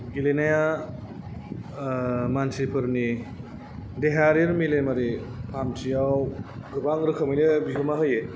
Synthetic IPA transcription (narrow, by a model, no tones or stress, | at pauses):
ɡilenaja | mansipʰɯɾni | deɦaɾiɾmilemaɾipʰamtʰijawɡɯbaŋɾɯkʰɯmɯjnɯbiɦumaɦɯje